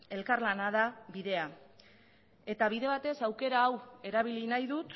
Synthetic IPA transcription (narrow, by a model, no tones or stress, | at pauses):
e̞lkaɾlanaðaβiðe̞a | e̞t̪aβiðe̞βat̪e̞sawke̞ɾaːwe̞ɾaβ̞ilinajðut̪